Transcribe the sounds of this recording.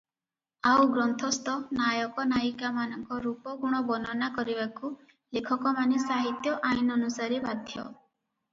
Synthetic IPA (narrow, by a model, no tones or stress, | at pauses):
awɡɾɔnt̪ʰɔst̪ɔnajɔkɔnaikamanɔŋkɔɾupɔɡuɽ̃ɔbɔnɔnakɔɾibaku | lekʰɔkɔmanisaɦit̪jɔʔajnɔnusaɾibad̪ʱjɔ̰